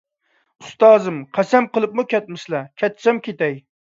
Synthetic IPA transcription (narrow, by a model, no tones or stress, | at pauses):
ust̪ɑːzɨmqʰæsɛmqəlˠɨp̚mukʲɛt̪̚mɪʃlˠɛkʲʰɛt̪t͡ʃʰɛmkʲʰet̪ɛj